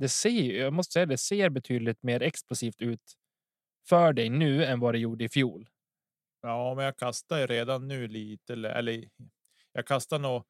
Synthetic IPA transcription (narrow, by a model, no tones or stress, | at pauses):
d̪ɛseːjjɑɡmɔst̪ə̥sɛjad̪ɛseːɾbɛt̪ʰyːd̪əlɪt̪meːɾɛksplʊsiːft̪ʉ̟ːt̪ | fœɖɛjnʉ̟ːɛnvad̪ɛjuːɖəɪfjuːl | jɑːmɛnjakʰast̪ajɾeːd̪anːʉ̟ːliːt̪əɛlːəɾʔɛ̰lːə | jɑɡkʰast̪aɳoː